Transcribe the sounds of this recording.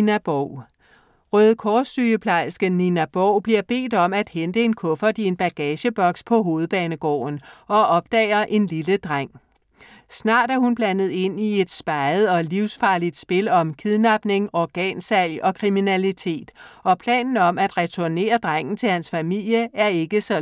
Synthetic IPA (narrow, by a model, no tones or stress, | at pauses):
næb̥ɒʊ̰ | ʁœːð̞̩ˠkʰɒːsd̥yːəpʰlɑ̈ɪsɡ̥əninæb̥ɒʊ̰b̥liɐb̥e̝̰ːd̥ɒ̽mæd̥hend̥əe̝nkʰɔ̽fɐd̥ie̝nb̥æɡ̥ɛːɕəb̥ɒ̽ɡ̥spʰɒ̽ɦo̝ːð̞̩ˠb̥ɛːnəɡ̥ɒ̰ːnɒ̽ɒ̽b̥̚d̥ɛːɪɐʔe̝nliləd̥ʁaŋ̰ | snɑ̰̈ːd̥æɐhunb̥lænð̩ˠe̝n̰ie̝d̥sb̥ɑ̈ɪð̞̩ˠɒ̽liʊsfɑ̈ːlid̥sb̥e̝lɒ̽mkʰiðˠnɑ̈b̥ne̝ŋɒɡ̥ɛ̰ːnsæl̰ɒ̽kʰʁiminælit͡sʰe̝̰ːd̥ɒ̽pʰlɛ̰ːnn̩ɒ̽mæd̥ʁɛt͡sʰuɐne̝̰ːɐd̥ʁɑŋ̰n̩t͡sʰe̝lhænsfæmil̰jəæɐe̝ɡ̥əsɒ̽